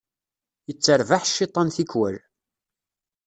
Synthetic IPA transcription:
jət͡sːəɾvaħʃːet̪ˤːɑnθikwæl

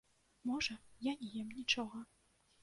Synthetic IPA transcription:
mɔʐɐjanʲɛjɛmnʲit͡ʂɔɣɐ

